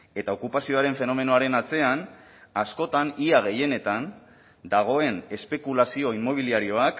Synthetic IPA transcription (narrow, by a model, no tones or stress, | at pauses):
e̞t̪ao̞kupasio̞aɾe̞ɱfe̞no̞me̞no̞aɾe̞nat͡se̞an | asko̞t̪aniaɣ̞e̞je̞ne̞t̪an | d̪aɣ̞o̞e̞ne̞spe̞kulasio̞imːo̞β̞iliaɾio̞ak